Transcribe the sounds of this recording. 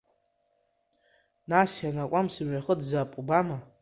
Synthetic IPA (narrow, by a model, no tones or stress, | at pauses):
nasjanakʷʼamsɨmɥaχədzaːpʼubama